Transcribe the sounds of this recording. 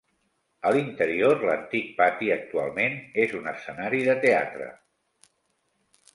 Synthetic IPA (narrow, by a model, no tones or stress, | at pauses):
əlint̪əɾioɾlənt̪ik̚pat̪iək̚t̪ua̰lˠmenezunəsənaɾiðət̪ea̰t̪ɾə̰